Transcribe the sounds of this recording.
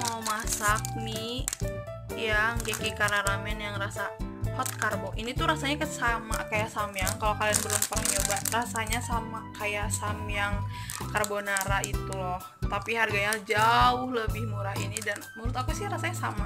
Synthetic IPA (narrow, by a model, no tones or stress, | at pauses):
maumasak̚ni | jaŋɡɛkikaɾaɾamɛnjaŋrasahɔt̪̚karboʔinit̪uɾasaɲakəsamakajasamjaŋkalokalianbəɾumpaŋɲobarasaɲasamakajasamjaŋkarbonaɾait̪ulɔht̪apiɦarɡaɲad͡ʒaʊhləbɪhmuɾainidanmuɾʊt̪akusɪhɾasaɲasama